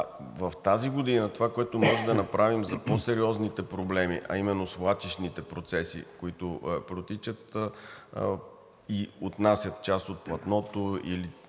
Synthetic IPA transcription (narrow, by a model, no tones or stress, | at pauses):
vɐft̪aziɡod̪inət̪ovakoɛt̪omɔʒɛd̪ɐnɐpɾavimzɐposɛɾiɔznit̪ɛpɾoblɛmḭʔɐ̰imɛnːosvlˠat͡ʃɛʃnit̪ɛpɾot̪sɛsḭkoit̪opɾot̪it͡ʃət̪ | iot̪nasʲjət̪̚t͡ʃast̪ot̪̚plˠɐt̪nɔt̪oḭli